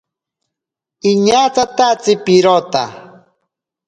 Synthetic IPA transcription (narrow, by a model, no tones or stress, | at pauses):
iɲat͡sat̪at͡sipiɾot̪a̰